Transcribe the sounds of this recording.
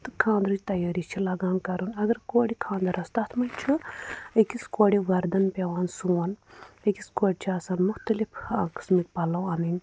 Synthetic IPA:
t̪ɨkʰãːnd̪ɾɨd͡ʒt̪ɐjaːɾit͡ʃʰilɐɡãːnkɐɾunɐɡɐɾkoːɽikʰãːnd̪ɐɾɐst̪ɐt̪ʰmɐnʲt͡ʃʰuəkiskoːɽiʋɐɾd̪ɐnpeʋaːnsuwɐnɐkiskoːɽʲt͡ʃʰiɐːsaːnmʊxt̪ɐlifʰãːkɨ̥smik̚pɐlɐwɐːnin

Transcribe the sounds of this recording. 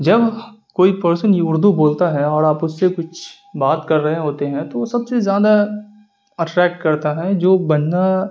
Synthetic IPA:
d͡ʒɐbkoːipɐɾsənjʊɾd̪ʱuboːlt̪aɦɛɔːɾaːpʊsːekʊt͡ʃʰ | baːt̪kɐɾːɐɦẽɦoːt̪eɦɛ̃t̪osɐbsezjaːd̪a | ɐʈɾɛːk̚ʈ̚kɐɾt̪aɦɛd͡ʒoːbɐnːa

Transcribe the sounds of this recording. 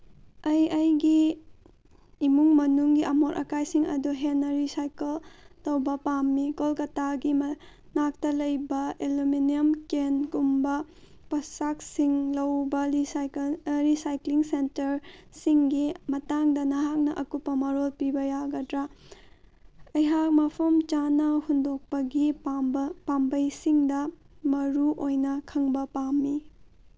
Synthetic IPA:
ɐjɐjɡi | muŋmɐnuŋɡiʔɐmoɾʔɐ̰kajsiŋɐ̰duɦenːɐɾisajkeltowbɐpamːikolkɐtaɡim | nak̚tɐlɐjbɐeluminiɐmkenkumbɐ | pɐsak̚siŋlɐwbɐisɾisajkliŋsentɐɾsiŋɡimɐtaŋdɐnɐɦak̚nɐʔɐkupːɐmɐɾolpibɐjaɡɐdɾa | ɐjɦak̚mɐpʰɐmt͡ʃanɐhundok̚pɐɡi | pambɐjsiŋdɐ | mɐɾuʔojnɐkʰɐŋbɐpamːi

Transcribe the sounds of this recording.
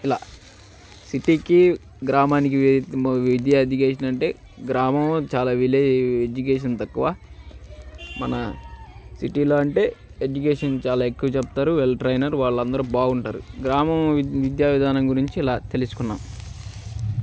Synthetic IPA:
ilaː | siʈiːki | ɡɾaːmaːnik̬iʋid̪jaːed͡ʒ̪ikeːʂ̬ɐnɐɳʈe̞ː | ɡɾaːmɐmlot͡ʃaːlaːʋileed͡ʒuk̬eːʂ̬ɐnt̪ɐkːuʋaː | mɐnɐ | siʈiːlo̞ːɐɳʈe̞ːed͡ʒukeːʂɐnt͡ʃaːlaːekːuʋɐt͡ʃɛpɐt̪aːɾuʋelʈɾɐjnɐɾʋaːɭːɐnd̪ɐɾubaːɡuɳʈaːɾṵɡɾaːmɐmʋid̪jaːʋid̪ʱaːnɐŋɡuɾiɲt͡ʃiːlaːt̪e̞lisu̥kunːaːm

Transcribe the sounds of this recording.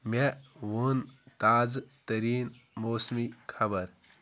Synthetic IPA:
mewont̪aːzt̪əɾiːn | moːsmikʰɐbəɾ

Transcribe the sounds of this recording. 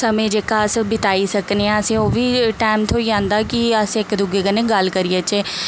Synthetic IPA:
səmẽːd͡ʒeːkaːəsbɪt̪aːiːsəkneãːəsẽːoːʋiːʈaːmt̪ʰoːiːãːnd̪aːkɪəsɪkd̪ʊɡeːkənẽːɡəlkəɾiet͡ʃeː

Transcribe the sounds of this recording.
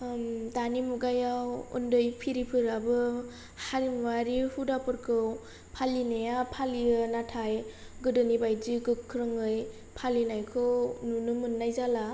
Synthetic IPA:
mdanimuɡajawṵndɯjpʰiɾipʰɯɾabɯ | haɾimwaɾihudapɯɾkʰɯw | pʰalinajapʰaliɯnatʰaj | ɡɯdɯnibajdiɡɯkʰːɾɯŋɯj | pʰalinajkʰɯwnunɯmɯnːajzala

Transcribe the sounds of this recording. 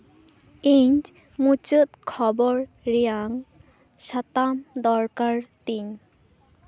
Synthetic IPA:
iɲd͡ʒ | mut͡ʃət̪̚kʰɔbɔɹ | ɾijaŋ | ʃat̪amd̪ɔɹkaɹt̪iɲ

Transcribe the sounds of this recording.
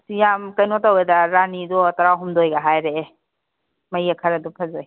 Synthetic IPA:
jamkɐjnɔtawedaɾanidɔtɐɾaɦumdojɡaɦajɾeː | mɐjakʰɐɾɐdɔpʰɐzoj

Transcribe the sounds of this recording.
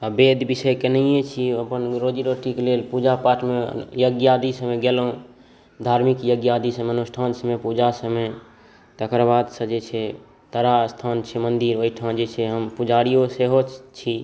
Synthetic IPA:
əbed̪bisəjkenəijet͡ʃʰiəpənɾod͡ʒiɾoʈikelelpud͡ʒapaʈmḛjəɡjad̪isəmeɡelɦũ | d̪ʱaɾmikjəɡjad̪isəmeənusʈʰansəmepud͡ʒasəme | t̪əkɾbad̪sə̃d͡ʒet͡ʃʰɛ | t̪əɾast̪ʰant͡ʃʰɛmənd̪iɾoiʈʰãd͡ʒet͡ʃʰɛɦəmpud͡ʒaɾijoseɦot͡ʃʰi

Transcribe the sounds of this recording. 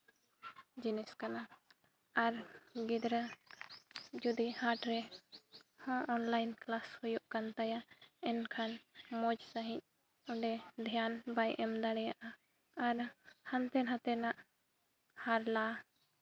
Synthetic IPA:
d͡ʒinɛskana | aɾɡid̪ɾa | d͡ʒud̪ihaʈɾɛ | hãɔnlajnklashujuʔkant̪ajaɛnkʰanmɔd͡ʒsaɦĩc̚ | ɔɖɛd̪ʱjanbajʔɛmd̪aɽɛjaʔaː | ɾhant̪ɛnɦãt̪ɛnaʔ | haɾla

